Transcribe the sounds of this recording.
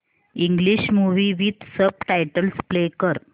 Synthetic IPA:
iŋɡliɕmuʋiːʋit̪səb̚ʈajʈəlsplekəɾ

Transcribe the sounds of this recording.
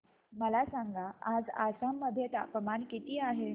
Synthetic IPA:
məlasaŋɡaad͡zasamːəd̪ʱjet̪a̰pəmankit̪iːaɦe

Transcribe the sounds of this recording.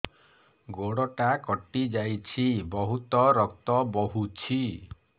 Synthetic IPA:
ɡoɽɔʈakɔʈid͡ʒajt͡ʃʰibɔɦut̪ɔɾɔk̚t̪ɔbɔɦut͡ʃʰi

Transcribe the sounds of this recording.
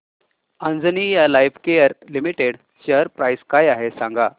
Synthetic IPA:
ə̃nd͡zənijalajfkejəɾlimiʈeɽ | ɕəəɾpɾajskajaɦesãŋɡa

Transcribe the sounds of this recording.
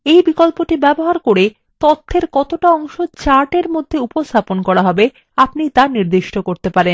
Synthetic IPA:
ejbikolpoʈibɛboɦaɾkoɾe | t̪ɔt̪ʰːeɾkɔt̪oʈaɔŋʃot͡ɕaɾʈeɾmod̪ʱːeupost̪ʰaponkɔɾaɦɔbe | apnit̪aɾniɾd̪iʃʈokoɾt̪epaɾen

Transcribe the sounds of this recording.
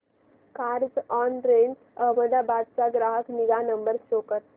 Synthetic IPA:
kaɾd͡zɔnɾeɳ | əɦməd̪abad̪̚t͡saɡɾaɦəkniɡanəmbəɾʃokət̪

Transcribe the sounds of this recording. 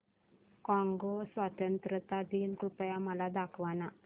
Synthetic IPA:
kãŋɡosʋat̪ənt̪ɾət̪ad̪iːnkɾupəjaməlad̪akʰʋana

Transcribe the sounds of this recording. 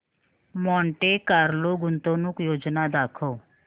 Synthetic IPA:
mɔ̃ːɳʈeːkaːɾloːɡʊnt̪õːnũːkjoːd͡ʒnaːd̪aːkʰoː

